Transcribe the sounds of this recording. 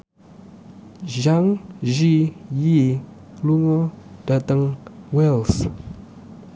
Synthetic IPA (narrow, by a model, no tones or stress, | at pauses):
ʒaŋʒiji | luŋɔdatəŋwɛls